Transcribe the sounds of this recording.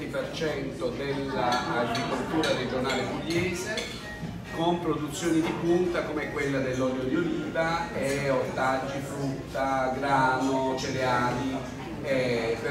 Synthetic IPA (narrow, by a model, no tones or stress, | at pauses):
t̪ipert͡ʃɛnt̪od̪elːaːɡɾikolt̪uːɾared͡ʒonaːlekuljɛːze | kompɾod̪ut̪sːjoːnid̪ikunt̪akomɛkːwelːad̪elːɔljod̪joliːvaɛot̪ːad͡ʒːifɾut̪ːaɡɾaːnot͡ʃeleaːli | ɛpe